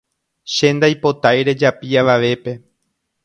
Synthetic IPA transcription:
ʃe̞nd̪ajpo̞t̪ajɾe̞d͡ʒapiaʋaʋe̞pe̞

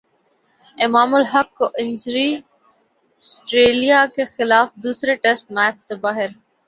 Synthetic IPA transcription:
ɪmaːmʊlɦɐkːoʔɪ̃nd͡ʒɾi | sʈɾeːlijakexɪlaːfd̪uːsɾeʈesʈ̚mæːt͡ʃsebaːɦɪɾ

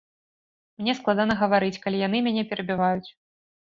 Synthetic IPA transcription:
mnʲɛsklˠad̪anɐɣɐvaɾɨt͡sʲkalʲijan̪ɨmʲanʲɛpʲɛɾɐbʲivajut͡sʲ

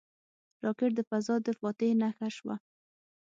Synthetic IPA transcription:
ɾɑkɪʈ̚d̪əfazɑd̪əfɑt̪enaxaʃwa̰

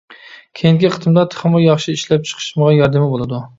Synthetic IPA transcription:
kʲʰejiŋkʲiqʰə̥t̪ʰɨmd̪ɑt̪ʰə̥χmɑjɑχʃiiʃlɛp̚t͡ʃʰə̥qʰɨ̥ʃməʁɑjɑɾd̪ɪmɪbolˠɨd̪u

